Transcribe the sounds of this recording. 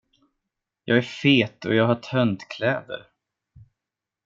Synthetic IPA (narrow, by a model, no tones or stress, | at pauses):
jɑːɡæɾfeːt̪ɔ̰jɑːɡɦaʈʰœnd̪kʰlɛːd̪ə̰ɾ